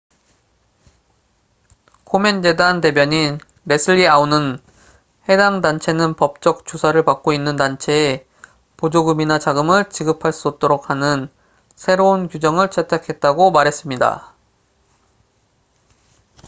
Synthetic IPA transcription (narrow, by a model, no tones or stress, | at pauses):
kʰome̞nd͡ʑe̞dante̞bjʌɲi | ɾe̞sʰɯʎːiaunɯn | he̞daŋdant͡ɕʰe̞nɯnpʌp̚t͡ɕ͈ʌk̚t͡ɕ͈osʰaɾɯɭpak̚k͈oinːɯntant͡ɕʰe̞ː | pod͡ʑoɡɯminat͡ɕaɡɯmɯɭt͡ɕiɡɯpʰaɭs͈uːt̚t͈oɾok̚hanɯn | sʰe̞ɾounkjud͡ʑʌŋɯɭt͡ɕʰetʰakʰe̞t̚t͈aɡomaɾɦe̞s͈ɯmɲida̰